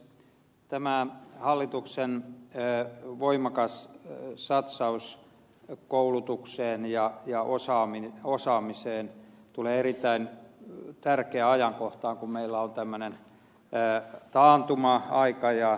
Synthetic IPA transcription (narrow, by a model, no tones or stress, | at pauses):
t̪æmæhɑlːit̪uksenː | ʋoimɑkɑssɑt̪sɑus | koulut̪ukseːnjɑjɑʔosɑːmiosɑːmiseːn | t̪uleːerit̪ːæint̪ærkeæɑjɑŋkoht̪ɑːŋkummeilːæont̪æmːønenː | t̪ɑːnt̪umɑɑikɑjɑ